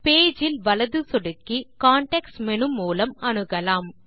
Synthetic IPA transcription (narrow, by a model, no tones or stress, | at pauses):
peːd͡ʒɪlʋɐlɐðɯsɔɽɯkːikaːɳʈeksmɛnɯmːuːlɐmɐɳɯɣɐlaːm